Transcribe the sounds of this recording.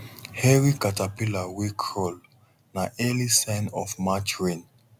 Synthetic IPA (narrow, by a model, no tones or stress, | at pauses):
hɛɹikatapilawikʰːɔl | naʔɛlisɛnɔfmat͡ʃɹin